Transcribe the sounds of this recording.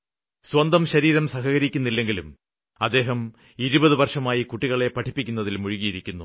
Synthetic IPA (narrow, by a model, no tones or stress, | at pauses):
swɐnd̪ɐmɕɐɾiːɾɐmsɐɦɐɣɐɾikʲːunːilːe̞ŋɡilum | ɐd̪ːe̞ːɦɐm | iɾubɐðɨʋɐrʂɐmaːjikuʈːiɣɐɭe̞pɐʈʰipːikʲːunːɐðilmuɻiɣijiɾikʲːunːu